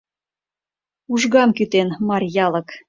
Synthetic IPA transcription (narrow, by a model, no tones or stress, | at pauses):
uʒɣɑmkyt̪enmɑrʲjɑlɤ̆k